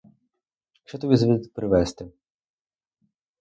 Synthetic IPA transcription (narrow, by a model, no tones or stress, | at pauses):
ʃt͡ʃɛt̪ɔbʲizɐbʲipɾɪʋɛst̪ɪ